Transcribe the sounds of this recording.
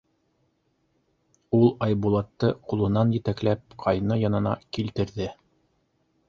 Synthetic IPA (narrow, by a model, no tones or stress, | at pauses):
ulˠɑjbulˠɑt̪ːɤqulˠɤ̆nɑnjɘ̆t̪æklæp̚qʰɑjnɤjɑnɤ̆nɑ̰kilt̪ɘ̆ɾðɘ